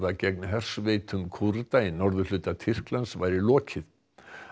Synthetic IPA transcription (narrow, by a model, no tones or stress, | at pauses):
ðacɛknɪɦɛr̥svejt̪ʰʏmkʰuɾt̪ainɔɾðʏlʏːt̪at̪ʰɪr̥klansvajɾɪlɔːcʰɪð